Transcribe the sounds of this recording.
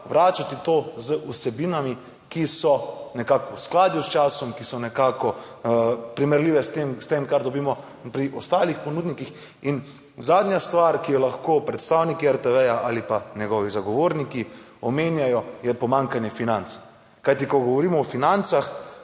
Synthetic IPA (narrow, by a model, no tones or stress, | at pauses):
ʋɾaːt͡ʃat̪it̪ozəʔusɛbinami | kisɔnɛkaːkusklaːd̪just͡ʃaːsɔmkisɔnɛkaːkɔ | pɾimɛɾliːʋɛst̪emst̪emkaɾd̪ɔbiːmɔ | pɾiʔɔst̪aːlixpɔnuːd̪nikix | in | zaːd̪njast̪ʋaɾkijɔlaxkoːpɾɛt̪st̪awnikiɛɾt̪ɛʋɛjaʔalipanɛɡɔʋizaɡɔʋoːɾniki | ɔmeːnjajɔjɛpɔmaŋkanjɛfinant̪s | kajt̪ikɔɡɔʋɔɾiːmɔɔfinant̪sax